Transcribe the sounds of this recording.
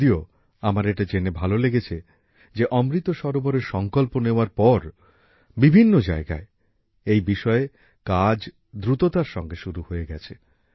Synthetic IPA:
io | amaɾeʈad͡ʑenebʱaloleɡet͡ɕʰe | d͡ʑeʔɔmɾit̪oʃɔɾoboɾeɾʃɔŋkolponeoaɾpɔɾ | bibʱinːod͡ʑaeɡa̰e | ejbiʃɔe | kad͡ʑ | d̪ɾut̪ot̪aɾʃɔŋɡeʃuɾuhoeɡɛt͡ɕʰe

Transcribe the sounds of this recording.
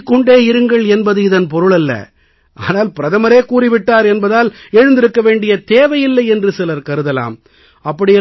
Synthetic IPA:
kːɔɳɖeːɪɾɯŋɡɐɭɛnbɐðɯɪðɐnpɔɾɯɭɐlːɐ̰ | ʔa̰ːnaːlpɪɾɐðɐmɐɾeːkuːrɪʋɪʈːaːɾɛnbɐðaːlɛɻɯnd̪ɪɾɯkːɐʋeːɳɖɪjɐt̪eːʋɐjɪlːɐɪɛndrɯsɛlɐɾkɐɾɯðɐla̰ːm | ɐpːɐɽɪjɐ

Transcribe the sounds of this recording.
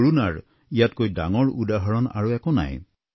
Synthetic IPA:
ɹunaɹ | ijatkojda̰ŋɔɹudaɦɔɹɔna̰ɹuɛkɔna̰j

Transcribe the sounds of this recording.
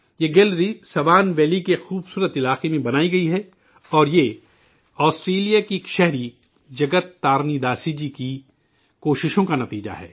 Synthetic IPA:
jeɡɛːlɾisɐʋaːnʋɛːlikexuːbsuːɾət̪ɪlaːqemẽbɐnaːiɡɐiɦɛ | ɔːɾje | ɔːsʈɾeːlijakiekʃɛɦɾi | d͡ʒɐɡət̪ːaːɾnid̪aːsid͡ʒiki | koːʃɪʃõkanɐt̪iːd͡ʒa̰ɦɛ̰ː

